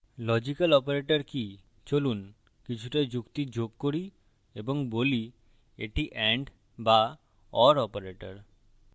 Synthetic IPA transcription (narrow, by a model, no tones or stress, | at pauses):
lɔd͡ʑikalɔpaɾeʈaɾki | t͡ɕolun | kit͡ɕʰuʈad͡ʑukt̪id͡ʑoɡ̚koɾi | eboŋboli | eʈiʔɛɳɖ | ba | ɔɾɔpaɾeʈa̰ɾ